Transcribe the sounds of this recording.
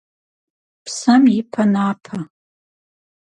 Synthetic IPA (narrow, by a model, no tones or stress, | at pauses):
pʰsamipʰanapʰa